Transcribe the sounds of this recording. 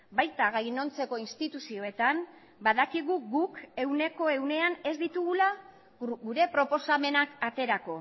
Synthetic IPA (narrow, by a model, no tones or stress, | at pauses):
bajt̪aɣajno̞nt͡se̞ko̞inst̪it̪usio̞e̞t̪am | baðakiɣ̞uɡuke̞wne̞ko̞e̞wne̞ane̞zd̪it̪uɣula | ɡuɾe̞pɾo̞po̞same̞nakat̪e̞ɾako̞